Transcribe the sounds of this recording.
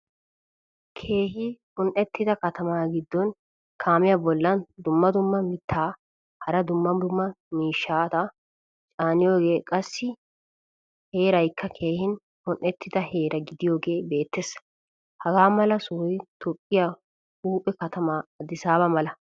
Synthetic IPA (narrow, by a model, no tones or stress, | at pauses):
kʰe̞ːɦɪhʊnʔːɛt̪ʰːɪd̪ɐkɐt̪ʰɐmaːɡɪd̪ːɔn | kʰaːmɪjabɔlːɐnd̪ʊmːɐd̪ʊmːɐmɪt̪ʰːaː | hɐɾɐd̪ʊmːɐd̪ʊmːɐ | miːʃːaːt̪ɐ | t͡ʃʼaːnɪjo̞ːɡe̞ːkʼɐsːɪ | he̞ːɾɐjkʰːɐkʰe̞ːhɪn | hʊnʔːɛt̪ːɪd̪ɐhe̞ːɾɐɡɪd̪ɪjo̞ːɡe̞ːbe̞ːt̪ːes | hɐɡaːmɐlɐsʊjt̪ʰɔpʼːɪja | huːpʼːɛkɐt̪ɐmaːɐd̪ɪsaːbɐmɐlɐ